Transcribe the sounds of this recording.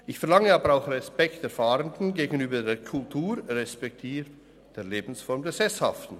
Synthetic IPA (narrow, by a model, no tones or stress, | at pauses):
ʔɪçfɛɐʁlaŋəɑːbəɾaʊxʁɛspɛkteɐfaːɾəndn̩ɡeːɡən̩yːbɐdeːkʰʊltʰuːɾʁɛspɛk̚tʰiːɾ | d̥eːɐleːbn̩sfɔʁmdeːsɛsha̰ftn̩